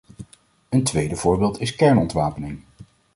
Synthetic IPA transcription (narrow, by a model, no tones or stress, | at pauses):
əntʋejdəv̥ʊːɹbɪːlˠtɪskɛɹnɔntʋaːpənɪŋ